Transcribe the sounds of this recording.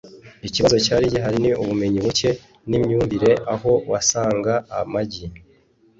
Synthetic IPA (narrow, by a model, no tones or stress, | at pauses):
iciβazo̞caːɾiɟiɦaɾiniuβume̞ɲiβuce̞ | nimɲuːmviɾe̞ʔaɦo̞wasaːŋɡaːmaɟi